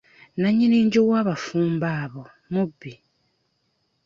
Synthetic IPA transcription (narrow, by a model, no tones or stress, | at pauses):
naɲiniːɲɟowaːβafuːmbaːβo | mubːi